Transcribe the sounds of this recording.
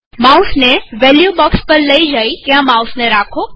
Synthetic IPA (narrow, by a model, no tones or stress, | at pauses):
mausneʋɛljubɔkspəɾləid͡ʒait̪jãmausneɾakʰo